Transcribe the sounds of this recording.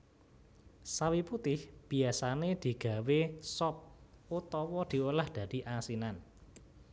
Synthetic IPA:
sawiput̪ɪhb̥i̤asaned̪̥i̤ɡ̥ä̤wesɔp̚ut̪ɔwɔd̪̥i̤ulahd̪̥ä̤d̪̥i̤ʔasinan

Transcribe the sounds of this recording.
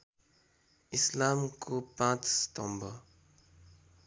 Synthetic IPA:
islamkʰopãt͡sse̥t̪ɔ̃mbʌ

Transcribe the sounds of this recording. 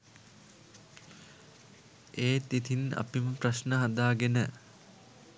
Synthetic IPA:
eːt̪it̪ina̰piməpraʃnəɦɐd̪aːɡenə

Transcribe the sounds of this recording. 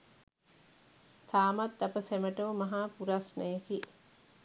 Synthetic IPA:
t̪ʰaːmat̪ːapəseməʈəʋəmɐɦaːpuɾasnəjəki

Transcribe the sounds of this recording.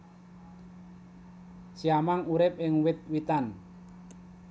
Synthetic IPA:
siamaŋuɾɪp̚ɪŋwɪt̪̚wit̪an

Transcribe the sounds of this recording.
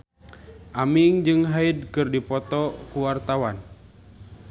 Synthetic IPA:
ʔamiŋd͡ʒɨŋɦaid̚kɨrdipɔt̪ɔkuwart̪awan

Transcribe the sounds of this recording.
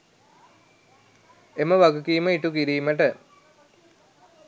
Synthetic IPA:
eməʋɐɡukiːməiʈukiɾiːmeʈə

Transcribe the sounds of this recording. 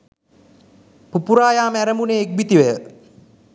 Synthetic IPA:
pupuɾaːjaːmæɾəmuneːk̚bit̪iʋəjə

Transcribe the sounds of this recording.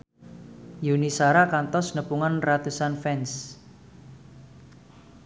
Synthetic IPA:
junisaɾakant̪ɔsnəpuŋanrat̪usanfɛns

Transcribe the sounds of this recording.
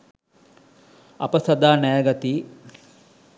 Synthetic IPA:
ɐ̰pəsɐd̪aːnɛjəɡat̪iː

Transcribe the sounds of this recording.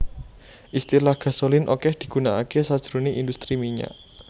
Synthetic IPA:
ʔist̪ilahɡ̥a̤solɪnʔo̰kɛhd̪̥i̤ɡ̥ṳnaakesad̥ʒ̥ɾoneʔind̪ust̪ɾimiɲa̰ʔ

